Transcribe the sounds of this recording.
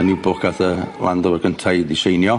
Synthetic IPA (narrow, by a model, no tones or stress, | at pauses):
nibʊkʰaθəlˠa̰ndəwəɡʰəntʰajdiʃejnjɔ